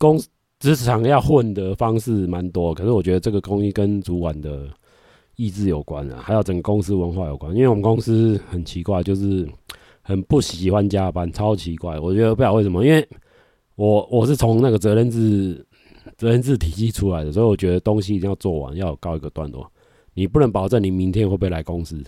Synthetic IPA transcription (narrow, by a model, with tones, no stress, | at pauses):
ko˦ŋs | t͡sɹ̩ʰ˧˥˨ɑ˨˦ŋjɑ˥˧ʊxwə˥˩nd̪ə˧˦fɑ˦ŋʂɻ̩˥˩ma˨˧˦nt̪wɔ˥˨kʰə˨˩ʂɻ̩˥˩wɔ˨˩t͡ɕɥɛ˧d̪ə˧t͡sə˥˩ɡə˨˩ko˦ŋi˥kə˦nt͡su˨˥kwa˨˩nd̪ə˩ | i˥˧t͡sɹ̩˥˩jo˨˩ʊkwa̰˦nə̰˨ha˧ɪjo˨˩ʊt͡sə˨˩ŋɡə˩kʊ˦˥ŋs̩˥wə˧˦nxwa˥˩˨jo˨˩ʊkwa˦ni˥nwe˥˩wmə˨nko˦˥ŋs̩˥hə˨˩nt͡ɕʰi˧˥kwa˥˧ɪt͡ɕjo˥˧ʊʂɻ̩˥˩ | hə˨˩npu˥˩ɕi˨˩xwa˦nt͡ɕja˦pa˦nt͡sʰɑ˦ʊt͡ɕʰi˧˦kwa˥˩ɪwɔ˨˩t͡ɕɥɛ˧˥d̪ə˧pu˥˩ja˥˩˦we˥˩ə˦mɔ˨i˦nwe˥˩ɪ | wɔ˨˩wɔ˨˩ʂ̬ɻ̩˥˩t͡sʰɔ˧˦ŋna˥˩ɡə˩t͡sɤ˧˥ɻə˥˧nt͡s̩˥˨ | t͡sə˧˦ɻə˥˧nt͡sɹ̩˥˩t̪ʰi˨˩ɕi˥˧ʈ͡ʂʰu˦la˧˦ɪd̪ə˩swɔ˧˥i˨wɔ˨˩t͡ɕɥɛ˧˦d̪ə˨˩t̪o˦ŋɕi˥˨i˨t̪ĩ˦ja˥˧ʊt͡swɔ˥˩wa̰˨˦nja˥˩ʊjo˨˩kɑ˥˧ʊi˧ɡə˧t̪wa̰˥˨ntwɔ̰˨˩˦ | ni˨˩pu˥˨nə˧˥ŋpɑ˨˩ʊt͡sə˥˩ŋni˨˩mi˧˦ŋt̪ʰjɛ˥nxwe˥˧p̬e˥˩la˧ɪkʊ˦ŋs̩˦˥